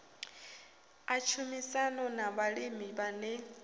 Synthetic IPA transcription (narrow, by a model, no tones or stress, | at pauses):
at͡ʃʰumisanɔnaβaɺimibanɛ